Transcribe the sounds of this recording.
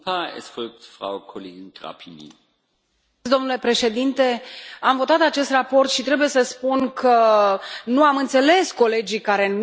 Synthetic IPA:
paɛ̰sfɔlk̚tfʁ̥a̰ʊkʰoleːɡɪnɡ̥ʁa̰pʰinḭ | d̪o̞mnule̞pɾe̞ʃe̞d̪int̪e̞amvo̞t̪at̪at͡ʃe̞st̪rapo̞rt̪ʃit̪ɾe̞buje̞səspunkʰə | nuamɨnt̪se̞le̞sko̞le̞d͡ʒikaɾe̞n

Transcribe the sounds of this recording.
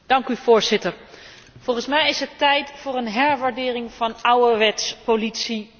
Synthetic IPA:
d̥ɑŋkyv̥ʊːɹzɪtəɹ | v̥ɔlˠχənsmɛjɪsɦətɛjtfʊːɹənɦɛɹʋaɹdɪːrɪŋv̥ɑnɑwəɹʋɛtspolitsi

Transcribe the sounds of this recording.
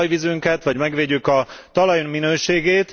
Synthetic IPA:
jʋizyŋkɛt̪ʋɒɟmɛɡʋeːɟykɒt̪ɒlɒjmminøːʃeːɡeːt̪

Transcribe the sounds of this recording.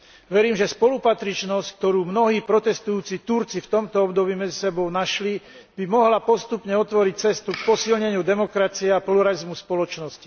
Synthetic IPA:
ʋɛɾiːmʒɛspɔlupat̪ɾit͡ʃnɔsck̚t̪ɔɾuːmnɔɦiːpɾɔt̪ɛst̪ujuːt͡sit̪uɾt͡sift̪ɔmt̪ɔɔbd̪ɔbiːmɛd͡zisɛbɔʊnaʃli | b̥imɔɦlapɔst̪upɲɛɔt̪ʋɔɾic̚t͡sɛst̪uk̚pɔsilɲɛɲɪud̪ɛmɔkɾat͡siɛapluɾalizmuspɔlɔt͡ʃnɔsci̥

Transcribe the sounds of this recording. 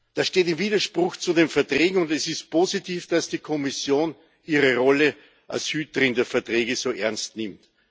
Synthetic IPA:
d̥asʃteːtɪmviːdɐʃpʁ̥ʊxt͡sudeːnfɛɐtʁ̥ɛːɡŋ̩ʊndɛsɪst̚pʰoːzitʰiːfd̥asd̥iːkʰɔmɪsjoːn | iːʁəʁɔlə | ʔa̰lshyːtəʁɪndəɐfɛɐtʁeːɡəsoːʔɛɐnstnɪ̃mt

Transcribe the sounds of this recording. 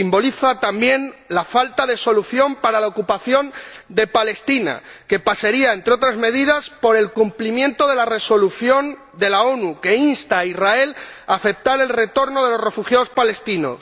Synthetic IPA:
imbo̞liθat̪ambje̞nlafalt̪aðe̞so̞luθjo̞mpaɾalaokupaθjo̞nd̪e̞pale̞st̪ina̰ke̞pasaɾiae̞nt̪ɾeo̞t̪ɾazme̞ðiðaspo̞ɾe̞lkumplimjẽ̞nt̪o̞ðe̞lare̞so̞luθjo̞n | d̪e̞lao̞nuke̞inst̪aizrae̞laːfe̞p̚t̪aɾe̞lre̞t̪o̞ɾnoð̞e̞lo̞sre̞fuxjao̞spale̞st̪ino̞̰s

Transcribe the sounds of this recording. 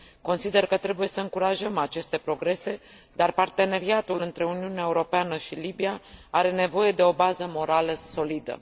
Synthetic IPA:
ko̞nsid̪e̞rkət̪ɾe̞buje̞səɨŋkuɾaʒəmat͡ʃe̞st̪e̞pɾo̞ɡɾe̞se̞ | d̪arpart̪e̞ne̞ɾiat̪ulɨnt̪ɾe̞uniuneaeuɾo̞peanəʃilibiaaɾe̞ne̞vo̞je̞d̪e̞o̞bazəmo̞ɾaləso̞lid̪ə̰

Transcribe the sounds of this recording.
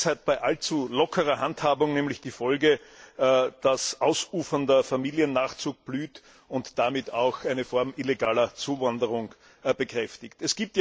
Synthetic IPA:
shat̚b̥aɪʔalt͡sulɔkʰəʁɐhanthaːbʊŋnɛːmlɪçd̥iːfɔlɡə | d̥asʔaʊsuːfɐndɐfamiːliənːaːχt͡suːk̚b̥lyːt | ʊntd̥amɪtʰaʊxʔæɪnəfɔɐmʔileɡaːlɐt͡suːvandəʁʊŋ | b̥əkʁ̥ɛftɪktɛsɡ̥iːp̚tja

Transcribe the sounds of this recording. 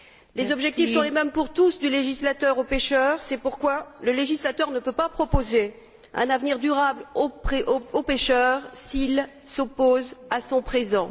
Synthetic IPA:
lezɔbʒɛk̚t̪iffsɔ̃lemɛmpuʁt̪usd̪yleʒislat̪œʁopeʃœʁsɛpuʁkwaləleʒislat̪œʁnəpøpapχɔpoze | ɛ̰̃navniʁd̪yʁablopχeʔopeʃœʁsil | sopozasɔ̃pχezɑ̃

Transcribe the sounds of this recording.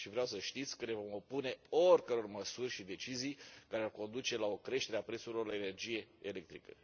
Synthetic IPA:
ʃivɾeawsəʃt̪it̪sʲkəne̞vo̞mo̞pune̞o̞rʲkəɾeorməsurʲʃid̪e̞t͡ʃizijkaɾearko̞nd̪ut͡ʃe̞lao̞kɾe̞ʃt̪e̞ɾeapɾet̪suɾilo̞rlaene̞rd͡ʒije̞ele̞k̚t̪ɾikə̰

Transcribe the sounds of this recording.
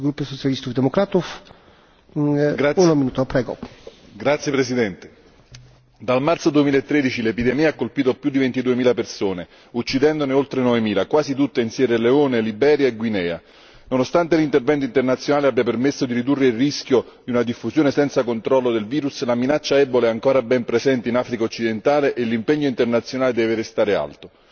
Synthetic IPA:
ɡɾupːosot͡ʃalist̪ufd̪emokɾaːt̪uf | aunominuːt̪opɾɛːɡo̰ | ɡɾat̪sːjepɾesid̪ɛnt̪e̥ | d̪almart̪sod̪uemilaet̪ːɾeːd̪it͡ʃilepid̪ɛmiːaakːolpiːt̪oapjud̪ivent̪id̪uːemiːlapersoːne | ut͡ʃːid̪ɛnd̪oneolt̪ɾenɔvemiːlakwaːzit̪̬ut̪ːainsjɛːɾeleoːnelibɛːɾjaeɡwinɛːa̰ | nonost̪ant̪elint̪ervɛnt̪̬oint̪ernat̪sːjonaːleabːjapermesːod̪iɾid̪urːeilriskʲjod̪iunad̪ifːusjoːnesɛnt̪sakont̪ɾɔlːod̪elviːɾuslaminat͡ʃːaɛboleɛaŋkoːɾabɛmpɾezɛnt̪einaːfɾikaot͡ʃːid̪ent̪aːleʔelːimpɛɲːoint̪ernat̪sːjonaːled̪ɛːveɾest̪aːɾea̰lt̪o

